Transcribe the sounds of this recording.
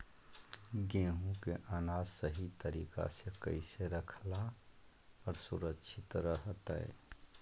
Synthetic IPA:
ɡẽːɦũkeʔaːnaːzsəɦit̪əɾiːka̰sekə̰ɪseɾəkʰla | ɔɾsuɾəkːʃʰɪt̪ɾəɦt̪ɛ̰

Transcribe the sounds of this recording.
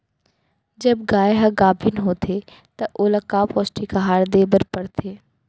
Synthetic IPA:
d͡ʒɐbɡaːjɦɐɡaːbʱɪnɦoːt̪ʰe | t̪ɐʔoːlɐkaːpɔːsʈikaɦaːɽd̪eːbəɾpɐɽt̪ʰeː

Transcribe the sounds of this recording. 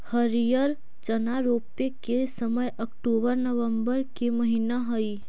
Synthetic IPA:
həɾijəɾ | t͡ʃɐnaɾoːpekesəməjɐkʈoːbəɾnəʋə̃mbəɾkemɐɦinaɦɐi

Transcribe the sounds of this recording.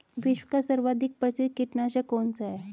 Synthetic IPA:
ʋiɕwəkasəɾʋad̪ʱik̚pɾəsid̪̚kiʈnaɕakont͡saɛ

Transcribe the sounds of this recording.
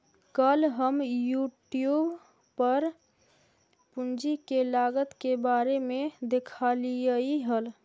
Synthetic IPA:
kəlɦəmjuʈijub | pəɾ | pund͡ʒikelaɡət̪kebaɾemed̪ekʰalijəiɦəl

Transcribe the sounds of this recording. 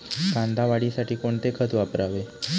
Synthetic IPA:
kãnd̪ʱaʋaɽisaʈiːkoɳt̪ekʰət̪ʋapɾaʋe

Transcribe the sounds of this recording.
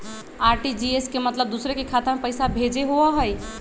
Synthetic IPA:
aɾʈid͡ʒieskemət̪ləb̚d̪usɾekekʰat̪əɾmepəɪsabʱed͡ʒeɦoaɦəj

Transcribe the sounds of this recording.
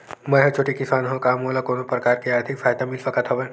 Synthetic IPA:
mɐ̃ɦɐt͡ʃʰoːʈikɪsaːnɦõkaːmoːlakoːnopɾəkaːɾkiaːɾt̪ʰɪkfʰaːjd̪amɪlsɐkət̪ʰɦɐʋẽː

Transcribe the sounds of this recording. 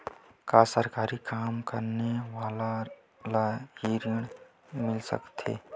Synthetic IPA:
kaːsəɾkaːɾikaːmkəɾnewaːla | lahiɾiəɽ̃ | mɪlsə̰kt̪ʰḛː

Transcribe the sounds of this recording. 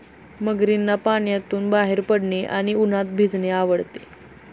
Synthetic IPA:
məɡɾinːapaɳjat̪uːnbaɦeɾpəɽɳeʔa̰ɽ̃iun̤at̪̚bʱid͡zɳeaʋəɽt̪e

